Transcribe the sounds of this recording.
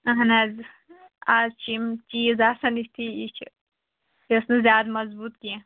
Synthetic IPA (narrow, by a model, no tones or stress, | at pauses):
ɐɦɐnaːz | aːzt͡ʃʰimt͡ʃiːzaːsɐnist̪ʰiit͡ʃʰ | jɐsnezʲjaːd̪mɐzbuːt̪kiã